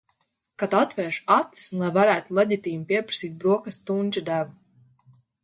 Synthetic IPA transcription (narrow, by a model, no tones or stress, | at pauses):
kat̪at̪vɛːʃat̪sslˠajvaɾæːt̪ulˠɛɟit̪iːmpʲiɛpɾḁsiːt̪̚bɾuɔkast̪unʲt͡ʃad̪ævu